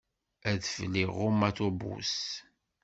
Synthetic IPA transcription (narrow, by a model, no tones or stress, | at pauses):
æðfəlːiʁomaθobṵs